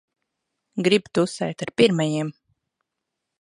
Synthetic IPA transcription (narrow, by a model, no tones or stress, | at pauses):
ɡɾibt̪usɛ̰jt̪aɾpiɾmɛjiɛm